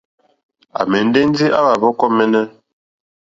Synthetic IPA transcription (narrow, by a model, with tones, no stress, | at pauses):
a̰˨mɛ˨n̩˦de˦n˦di˦ʔa˦ba˨bɔ˦kɔ˦mɛ˦nɛ˦